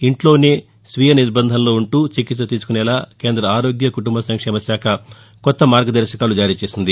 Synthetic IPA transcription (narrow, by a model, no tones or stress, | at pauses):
iɳʈlo̞ːne̞ː | sʋiːjɐniɾbɐnd̪ʱɐnlo̞ːuɳʈuːt͡ʃikit̪sɐt̪iːsu̥kunɛlaːke̞ːnd̪ɾɐaːɾo̞ːɡjɐkuʈumbɐsɐŋkʂɛːmɐsjaːkʰɐ | kɔt̪ːɐmaːɾɡɐd̪ɐɾʃɐkaːlud͡ʒaːɾiːt͡ʃe̞ːsind̪i